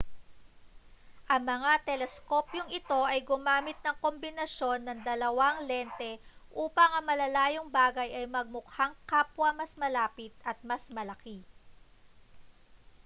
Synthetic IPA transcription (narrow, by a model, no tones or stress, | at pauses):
ʔɐŋmɐŋat̪ɛlɛsko̞pjoŋɪt̪o̞ʔɐjɡʊmaːmɪt̪̚nɐŋko̞mbɪnɐʃjo̞nːɐŋd̪ɐlɐwaŋlɛnt̪ɛʔuːpɐŋɐŋmɐlɐlaːjoŋbaːɡɐjʔɐjmɐɡ̚mʊkhaŋkaːpwɐmɐsmɐlaːpɪt̪̚ʔɐt̪̚mɐsmɐlɐki